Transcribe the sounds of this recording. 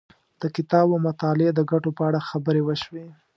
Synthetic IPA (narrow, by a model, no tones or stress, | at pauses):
d̪̥əkɪt̪ɑbamʊt̪ɑled̪əɡaʈopəaɽaxabəɾewəʃwe